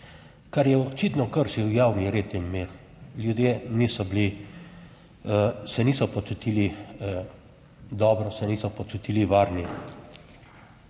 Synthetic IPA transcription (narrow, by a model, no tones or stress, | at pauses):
kaɾjɛɔt͡ʃiːt̪nɔkəɾʃiwjaːwniɾeːt̪imːiɾ | ljud̪jeniːsɔbli | sɛniːsɔpɔt͡ʃut̪iːli | d̪ɔːbɾɔsɛniːsɔpɔt͡ʃut̪iːliʋaːɾni